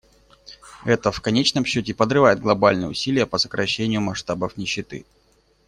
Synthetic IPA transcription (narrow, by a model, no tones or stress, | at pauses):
ɛt̪əfkɐnʲet͡ɕnəmɕːɵtʲɪpəd̪ɾɨvajɪd̪̚ɡlˠɐbalʲnɨjə̰ʊ̰sʲilʲɪjəpəsə̥kɾɐɕːenʲɪjʊmɐʂt̪abəfnʲɪɕːɪt̪ɨ̰